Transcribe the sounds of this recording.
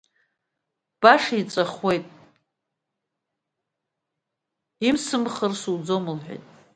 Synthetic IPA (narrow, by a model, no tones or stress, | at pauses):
b̥aʂait͡sʼaχwe̞jtʼ | imsɨmχərsuwd͡zomɨlħʷᶣḛjtʼ